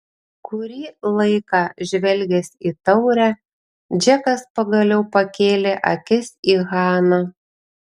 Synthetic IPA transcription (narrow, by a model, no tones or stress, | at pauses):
kʊɾʲiːlˠɐɪkɑːʒʲʋʲɛlʲɡʲɛsʲiːt̪ɐʊɾʲæ | d͡ʒʲɛkɐspɐɡɐlʲɛʊpɐkʲeːlʲeʔɐkʲɪsiːɣɑːnɑ